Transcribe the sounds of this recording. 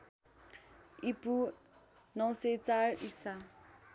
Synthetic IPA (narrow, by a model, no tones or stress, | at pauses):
ipu | naʊset͡saisa